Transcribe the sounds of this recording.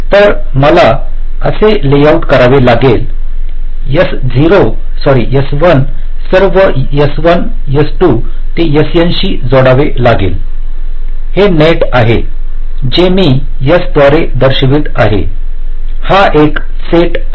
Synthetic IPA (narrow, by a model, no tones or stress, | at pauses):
t̪əɾ | məla | əselejauʈkəɾaʋelaɡel | jəs | d͡ziɾo | sɔɾijəsʋən | səɾʋə | jəsʋən | jəsʈu | t̪ejəsjənɕiːd͡zɔɽaʋelaɡḛl | heneʈaɦe | d͡ʑemi | jəsd̪ʋaɾed̪əɾɕʋit̪aɦḛ | haʔek | seʈ